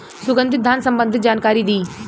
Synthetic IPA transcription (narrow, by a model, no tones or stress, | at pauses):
sʊɡə̃nd̪ʱɪt̪̚d̪ːaːnsə̃mbə̃nd̪ʱɪt̪d͡ʒaːnkaːɾid̪iː